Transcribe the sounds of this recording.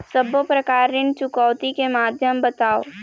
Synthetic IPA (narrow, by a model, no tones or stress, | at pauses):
səbopɾɐkaːɾɪnt͡ʃʊkɔːʊt̪ikemaːd̪ʱjəmbət̪aːo̰